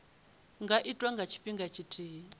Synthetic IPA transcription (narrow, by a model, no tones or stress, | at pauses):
ŋɡaʔitʼwaŋɡʱat͡ʃʰi̥ɸiŋɡat͡ʃʰitʰʼiː